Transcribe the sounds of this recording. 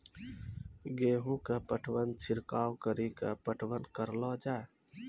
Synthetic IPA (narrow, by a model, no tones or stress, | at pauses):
ɡeɦũkepəʈʰʋənt͡ʃʰiɾkawkəɾikəpəʈʰʋənkəɾlɔd͡ʒae